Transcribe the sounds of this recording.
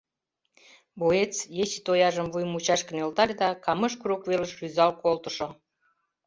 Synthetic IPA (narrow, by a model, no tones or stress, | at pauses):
boet͡sjet͡ɕit̪ojɑʒəmvujmut͡ɕɑʃkə̆nelt̪ɑlʲd̪ɑkɑmə̆ʃkuɾrukvelə̆ʃryzɑlkolt̪ə̥̆ʃo